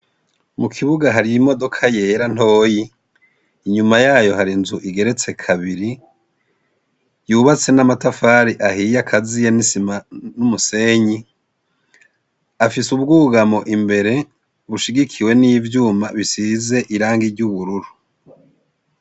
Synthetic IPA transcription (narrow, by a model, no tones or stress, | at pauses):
mukʰiβuɡaɦaɾiimo̞do̞kʰaje̞ɾan̥ho̞ːjiː | ɲumajaːjo̞ɦaɾinzuʔiɡe̞ɾe̞t͡se̞kʰaβiɾi | juːβat͡se̞namatafaːɾiʔahijakʰazijenisimanumuse̞ːɲi | afisub̚ɡuːɡamo̞ʔimbe̞ɾe̞ | βuʃiɡikʰiwe̞nijvjuːmaβisize̞ʔiɾaːŋɡiɾɟuβuɾuɾu